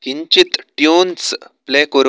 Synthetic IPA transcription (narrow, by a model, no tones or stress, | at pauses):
kiɲt͡ɕit̪ʈjunsplekoɾ